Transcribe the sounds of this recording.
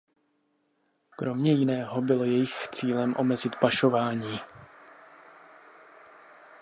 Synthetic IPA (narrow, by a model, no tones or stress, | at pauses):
kɾo̞mɲɛjɪnɛːɦo̞bɪlo̞jɛjɪxt͡siːlɛmʔo̞̰mɛzɪt̪paʃo̞vaːɲiː